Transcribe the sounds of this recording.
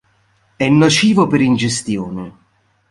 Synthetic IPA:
ɛnːot͡ʃiːvopeɾind͡ʒest̪joːne

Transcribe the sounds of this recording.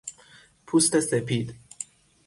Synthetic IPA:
pʰust̪esepʰid̪̥

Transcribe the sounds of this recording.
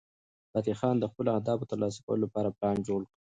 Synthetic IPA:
b̥at̪ixɑnd̪əxpəloahd̪ɑbot̪əɾlɑs̬ḁkawəlolapɑɾablɑnd͡ʒoɽki

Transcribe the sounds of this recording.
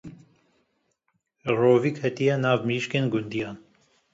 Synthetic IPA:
roːviːkʰɛt̪ijɛnɑːvmiʃkeːnɡund̪ijɑːn

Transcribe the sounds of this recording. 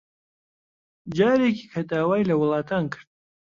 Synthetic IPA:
d͡ʒɑːɾekikʰad̪aːwajlɐwlɑːt̪ankəɾ̚

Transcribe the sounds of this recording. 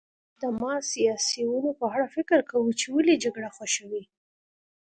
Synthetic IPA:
d̪əmɑsijɑsiwunopəaɽafɪkəɾkawut͡ʃewəlid͡ʒaɡɽaxaʃəwi

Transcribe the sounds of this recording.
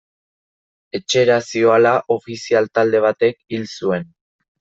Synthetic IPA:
e̞t͡ʃe̞ɾasio̞alaʔo̞fisialt̪ald̪e̞β̞at̪e̞kilsue̞n

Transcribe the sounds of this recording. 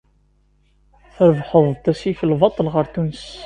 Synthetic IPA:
θəɾəvħəðˤðt̪ːæsifəlvɑt̪ˤːəlʁəɾθuns

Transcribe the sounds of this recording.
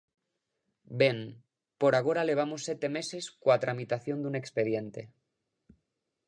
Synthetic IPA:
be̞n | poɾaɣ̞o̞ɾale̞β̞amosːet̪e̞me̞se̞skwat̪ɾamit̪aθjo̞nd̪une̞kspe̞ð̞je̞nt̪e̞

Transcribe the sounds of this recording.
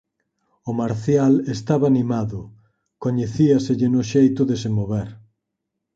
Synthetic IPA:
ʊmaɾθjalest̪aβaːnimaðʊ | koɲeθiaseʎɪnʊʃejt̪ʊðesemoβɛɾ

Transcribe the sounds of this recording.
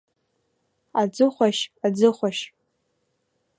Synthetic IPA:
ad͡zɨχʷaʃad͡zɨχʷaʃ

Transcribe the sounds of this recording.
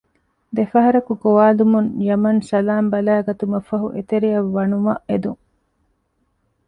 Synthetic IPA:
d̪efɐɦɐɾɐkuɡoʋaːlumuŋjɐmɐnsɐlaːmbɐlæːɡɐt̪umɐfɐɦuʔet̪eɾijɐʋːɐnumɐʔed̪uŋ

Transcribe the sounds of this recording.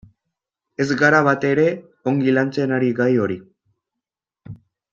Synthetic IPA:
e̞zɡaɾaβat̪e̞ɾe̞ | o̞ŋɡilant͡se̞naɾiɣajo̞ɾi

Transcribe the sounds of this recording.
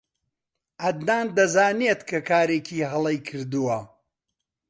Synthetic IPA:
ʔɐd̪naːnd̪ɐzaːnet̪kʰɐkʰaːɾeːcʰiːɦɐlˠɐjkʰɨɾd̪uwɐ

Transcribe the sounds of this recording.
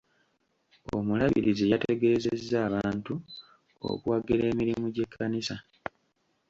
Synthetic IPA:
o̞̰mulaβḭɾizijateɡe̞ːzezːaːβaːntu | o̰kuwaɡeɾe̞ːmiɾimuɟe̞kʰːanisa

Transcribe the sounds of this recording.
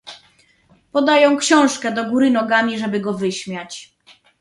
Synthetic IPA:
pɔd̪ajɔ̃w̃kɕɔ̃w̃ʂkɛd̪ɔɡuɾɘnɔɡamʲiʐɛbɘɡɔvɘɕmʲjat͡ɕ

